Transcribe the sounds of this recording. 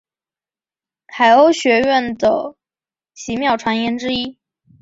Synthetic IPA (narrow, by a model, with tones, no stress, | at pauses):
tʰa˧˩ɪo˥ʊɕɥɛ˧˥ɥɛ˥˩nd̪ə˩ | ɕi˧˥mjɑ˥˩ʊʈ͡ʂʰwa˧˥njɛ˧˥nʈ͡ʂɻ̩˥i˥